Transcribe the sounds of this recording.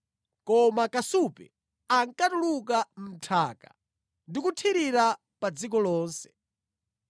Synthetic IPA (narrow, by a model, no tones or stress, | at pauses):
kɔmakasupɛ̰ | aŋkatulukam̩tʰaːka | ndikutʰiɾiɾa | pad͡zik̬ɔlɔːnsɛ̥